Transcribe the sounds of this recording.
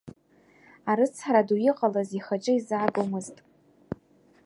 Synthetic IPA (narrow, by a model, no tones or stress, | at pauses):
aɾɨt͡sʰɾadujɪqʼalaziχat͡ʃʼɪizaɡomɨztʼ